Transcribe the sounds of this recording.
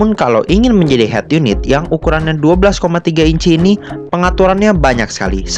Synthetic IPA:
ʊnkala̰wʔiŋɪnməɲd͡ʒadiɦɛ̰t̪junɪ̰t̪̚jaŋukuɾanɲaduabəlaskomat̪iɡaiɲt͡ʃiːnipəŋat̪uɾanɲabaɲak̚sə̥ka̰lḭs

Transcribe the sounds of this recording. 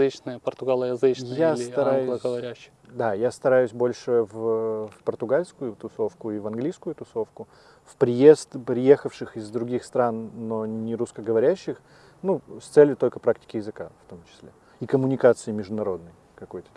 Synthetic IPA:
ɨt͡ɕnəjəpərt̪ʊɡalˠəjɐzɨt͡ɕ̪jat̪ɐɾajʊlˠəɡəvɐɾʲæɕːɪ | d̪ajast̪ɐɾajʊsʲbo̞lʲʂɨvpərt̪ʊɡalʲskʊjʊt̪ʊso̞fkʊɪvɐnɡlʲijskʊjʊt̪ʊso̞fkʊ | fpɾʲɪje̞st̪pɾʲɪje̞xəfʂɨxɪzd̪ɾʊɡʲixst̪ɾanːo̞nʲɪɾʊskəɡəvɐɾʲæɕːɪx | nust̪sɛlʲjʊt̪o̞lʲkəpɾaktʲɪ̥kʲɪjɪzɨkaft̪o̞mt͡ɕɪ̥sʲlʲe | ikəmʊnʲɪkat̪sɨɪmʲɪʐd̪ʊnɐɾo̞d̪nəj | kɐko̞jt̪ə̥

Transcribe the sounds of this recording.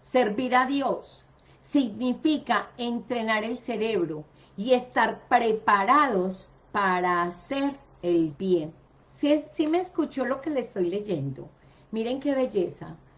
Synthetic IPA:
se̞ɾβiɾaðjo̞sː | iɣnifikae̞nt̪ɾe̞naɾe̞lse̞ɾe̞βɾo | ie̞st̪aɾpɾe̞paɾaðo̞s | paɾaːseɾ | e̞lbje̞n | ssime̞ːskut͡ʃo̞lo̞ke̞lest̪o̞jle̞ʝe̞nd̪o̞̰ | miɾe̞ŋke̞βe̞ʝe̞sa̰

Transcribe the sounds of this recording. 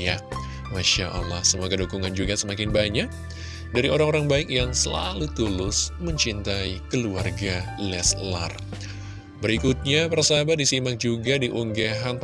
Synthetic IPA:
a | maʃaʔa̰lːahsəmuakədokuŋand͡ʒuɡasəmakɪnbaɲak̚ | daɾiʔoɾaŋoɾaŋbaɪkjaŋsəla̰lut̪ulʊsməɲt͡ʃint̪aikəluarɡa | lɛsla̰r | bəɾikut̪̚ɲapərsabadisimak̚d͡ʒuɡadiʔuŋɡaɦanp

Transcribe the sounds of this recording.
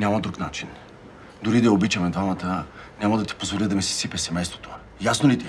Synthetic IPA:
nʲamɐd̪ɾuknat͡ʃin | d̪ʊɾid̪ɐɛobit͡ʃɐmɛd̪vamɐt̪ə | nʲamɐd̪ɐt̪i̥pozvolid̪ɐmɛsi̥sipʲɛsɛmɛjst̪vot̪o | jasnolit̪i

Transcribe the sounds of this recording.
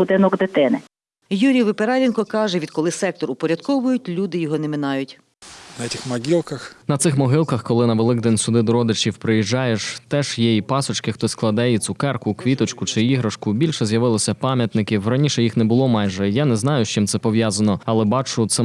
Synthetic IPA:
bʊd̪ɪnɔɡd̪et̪ɪnɪ | juɾʲijʋɪpeɾɑlʲinkɔkɑʒɛʋʲid̪̥̚kɔlˠɪsɛk̚t̪ɔrʊpɔɾʲɐd̪̥̚kɔʋʊjʊtʲlʲud̪ɪjɔɦɔnɛmɪnɑjʊtʲ | nɐɛtʲɪxmɐɡʲilˠkɐxnɐt̪sɪxmɔɦɪlˠkɐxkɔlˠɪnɐʋelˠɪɡ̚d̪ɛnʲsʊd̪ɪd̪ɔɾɔd̪ɪt͡ʃʲiwpɾɪjiʒːɑjeʃt̪ɛʒjɛjipɑsɔt͡ʃkɪxt̪ɔsklˠɐd̪ɛjit͡s̪ʲʊkɛrkʊkʋʲit̪ɔt͡ʃkʊt͡ʃɪiɦɾɐʃkʊbʲilʲʃɛzjɐʋɪlˠɔsʲɐpɑmʲjɐt̪nɪkʲiwrɐnʲiʃɛjixnɛbʊlˠɔmɑjʒɛjanɛznɑjʊʃt͡ʃɪmt̪ɛpɔʋjazɐnɔɐlˠɛbɑt͡ʃʊt̪sɛ

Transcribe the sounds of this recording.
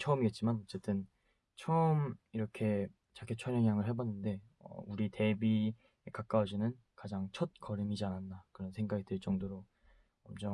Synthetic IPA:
t͡ɕʰʌɯmiɡet̚t͡ɕ͈imanʌt͡ɕ͈e̞t͈ɯn | t͡ɕʰʌɯmiɾʌkʰe̞ | t͡ɕaɡʰet͡ɕʰʌɲjʌŋɦjaŋɯɭɦe̞banːɯnde̞ | ʌ̰uɾite̞bi | ekak͈aod͡ʑinɯn | kad͡ʑaŋt͡ɕʰʌt̚k͈ʌɾɯmid͡ʑianandakɯɾʌnsʰe̞ŋɡaɡitɯɭt͡ɕ͈ʌŋdoɾo | ʌmt͡ɕʰʌ

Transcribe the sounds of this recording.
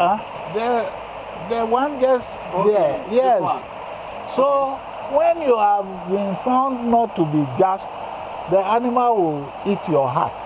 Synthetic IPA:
a | dɛ | dɛwãnd͡ʒɛs | dɛjɛs | so | wɛ̃njuav | bĩnfãʊ̃ndnɔtːubid͡ʒast | dianimalwil | itjɔɦa̰t

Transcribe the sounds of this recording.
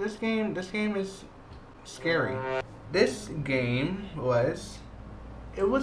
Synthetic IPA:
ðɪsɡ̥ẽɪ̃mðɪsɡ̥ẽɪ̃mɨz̥ | skɛɹḭ | ðɪsɡ̥ẽɪ̃mwʌz̥ | ʔɪt̚wʌ

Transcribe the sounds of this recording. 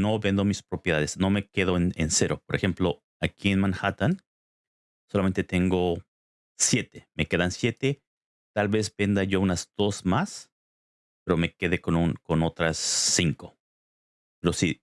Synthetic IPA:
no̞βe̞nd̪o̞mispɾo̞pjeðaðe̞sno̞me̞ke̞ðo̞enense̞ɾo̞po̞ɾe̞xe̞mplo̞ | akie̞nmãŋxat̪an | so̞lame̞nt̪e̞t̪e̞ŋɡo̞ | sje̞t̪e̞̥me̞ke̞ðansje̞t̪e̞ | t̪alβe̞zbe̞nd̪aʝo̞unazd̪o̞smas | pe̞ɾo̞me̞ke̞ðe̞konunko̞no̞t̪ɾasːiŋko̞̥ | pe̞ɾo̞si

